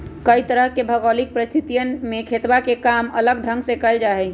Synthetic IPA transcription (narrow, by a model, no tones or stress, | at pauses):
kəit̪əɾəɦkebʱəɡɔːlik̚pɾəst̪ʰɪt̪ijənmẽkʰeːt̪wakekaːmɐləɡ̚ɖʱə̃ŋɡsekəld͡ʒaːɦɛ